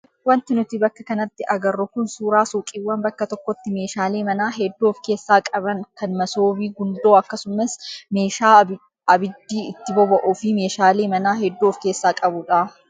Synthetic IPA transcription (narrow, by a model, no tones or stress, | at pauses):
wɐnt̪ɪnʊt̪ɪbɐkːɐkɐnɐt̪ːɪʔɐɡɐrːɔkʊnsuːɾaːsukʼɪwːɐnbɐkːɐt̪ɔkːɔt̪ːɪme̞ːʃaːleːmɐnaːɦɛd̪ːoːfke̞ːsːaːkʼɐbɐŋkɐnmɐsoːbiːɡʊnd̪o̞ːɐkːɐsʊmɐsme̞ːʃaː | ɐbɪd̪ːiːɪt̪ːɪbɔbɐʔʊfɪme̞ːʃaːleːmɐnaːɦɛd̪ːoːfke̞ːsːaːkʼɐbʊᶑaː